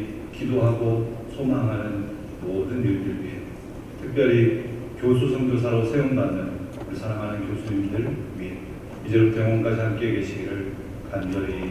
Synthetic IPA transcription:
kidoɦaɡosʰomaŋɦanɯn | modɯnjuɭdɯɭɥie | tʰɯk̚p͈jʌɾi | kjos̬ʰusʰʌŋɡos̬ʰaɾosʰejʌŋbanːɯn | kɯɭsʰaɾaŋɦanɯnkjosʰuɲimdɯɭmit̚ | id͡ʑeɾoteŋwʌŋk͈ad͡ʑihamk͈e̞ɡe̞ɕʰiɡiɾɯɭ | kand͡ʑʌɾi

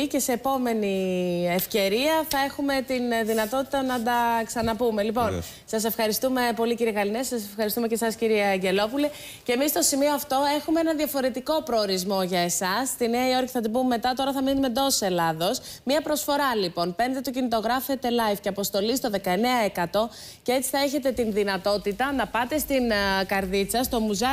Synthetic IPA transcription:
ice̞se̞ːpo̞me̞niefce̞ɾiɐθɐe̞xume̞t̪inðinɐt̪o̞t̪it̪ɐnɐd̪ɐksɐnɐpume̞lipo̞n | sɐse̞fxɐɾist̪ume̞po̞liciɾieɣɐlinesɐsefxɐɾist̪ume̞ce̞sɐsciɾieɐɟe̞lo̞puli | cemist̪o̞simio̞ɐft̪o̞e̞xumeenɐnðiɐfo̞ɾe̞t̪iko̞pɾo̞ːɾizmo̞ʝɐesɐst̪ineɐio̞ɾçiθɐt̪ibummːe̞t̪ɐt̪o̞ɾɐθɐminmed̪o̞sse̞lɐðosmiɐpɾo̞sfo̞ɾɐlipo̞npe̞nd̪e̞t̪ucinit̪o̞ɣɾɐfe̞t̪e̞lɐjfceɐpo̞st̪o̞list̪o̞ðe̞kɐe̞ne̞ɐekɐt̪o̞ | cee̞t͡si̥θɐe̞çe̞t̪e̞t̪inðinɐt̪o̞t̪it̪ɐnɐpɐt̪e̞st̪inkɐɾðit͡sɐst̪o̞muzɐ

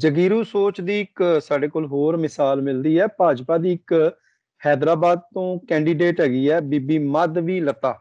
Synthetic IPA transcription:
d͡ʒəɡiːɾũːsoːt͡ʃd̪iːɪksaːɖeːkoːlɦoːɾmɪsaːlmɪld̪iːɛːpaːd͡ʒpaːd̪iːɪk | hɛːd̪ɾaːbaːd̪̚t̪õːkɛːɳɖiːɖeːʈɦɛːɡiːɛːbiːbiːməd̪ʋiːlət̪ːaː

